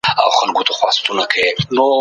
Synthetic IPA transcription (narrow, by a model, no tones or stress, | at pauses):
a̰wxanɡut̪ʰoxwɑ̰st̪unakʰeeno